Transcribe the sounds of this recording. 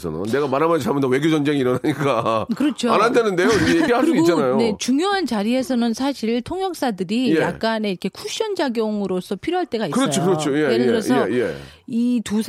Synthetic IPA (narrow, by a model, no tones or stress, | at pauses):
sʰʌ̰na̰nːe̞ɡamaɾamad͡ʑʰamʌndwe̞ɡjod͡ʑʌnd͡ʑeŋiːɾʌnaɲik͈akɯɾʌt͡ɕʰoanɦandenɯnde̞joiɾkʰejeiɾɭɦaɭɯsudiɡot͡ɕanajone̞t͡ɕuŋjoɦant͡ɕaɾie̞sʰʌnɯnsʰaɕʰiɭtʰoŋjʌk̚s͈adɯɾijeak̚k͈ane̞iɾʌkʰekʰuɕ͈ʌnd͡ʑaɡjʌŋɯɾosʰʌpʰiɾjoɦaɭt͈e̞ɡaikɯɾʌt͡ɕʰokɯɾʌt͡ɕʰojeeeɯɾʌeje̞̰ | itus